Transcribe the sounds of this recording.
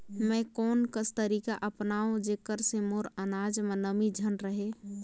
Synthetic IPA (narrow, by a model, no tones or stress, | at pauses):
mɛ̃kɔːnkəst̪əɾiːkaʔəpnaːõd͡ʒekəɾsemoɾənaːd͡ʒmənəmid͡ʒʱənɾəɦe